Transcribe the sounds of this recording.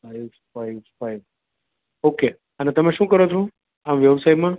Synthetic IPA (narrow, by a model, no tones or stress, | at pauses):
ajbfaɪfajʋ | oke | ənet̪əmẽʃũkəɾot͡ʃʰo | amʋjəʋsaimã